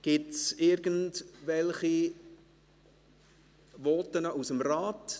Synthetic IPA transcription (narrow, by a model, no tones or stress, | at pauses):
ɡ̥ɪtsɪɾɡəntvɛlχi | vɔːtənəʔusəmrɑːt